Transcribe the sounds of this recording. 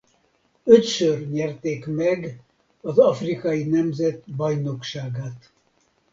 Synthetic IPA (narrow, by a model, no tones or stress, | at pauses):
øt̪ʃørɲɛrt̪eːkmɛɡ | ɒzɒfrikɒjinɛmzɛt̪bɒjnokʃaːɡaːt̪